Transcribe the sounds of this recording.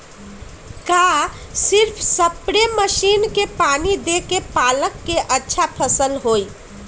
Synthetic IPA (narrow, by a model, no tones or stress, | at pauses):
kasɪɾpʰsəpɽeməʃiːnkepaːnid̪ekepaːləkːeʔətːʃʰapʰəsəlɦoːi